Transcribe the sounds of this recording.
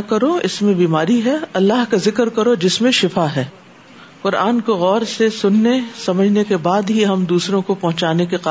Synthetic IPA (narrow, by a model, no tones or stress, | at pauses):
kɐɾoɪ̰smẽbiːmaːɾiɦɛɐlːaɦkazɪkɾkɐɾod͡ʒɪsmẽʃɪfaɦɛː | qʊɾʔaːnkoɣɔːɾsesʊnːesɐməd͡ʒʱnekebaːd̪ɦiɦɐmd̪uːsɾõkopɐɦʊ̃t͡ʃaːnekeqa